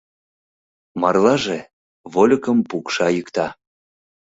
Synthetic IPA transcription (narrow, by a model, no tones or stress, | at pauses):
mɑrlɑʒe | βolʲəkəmpukʃɑjəkt̪ɑ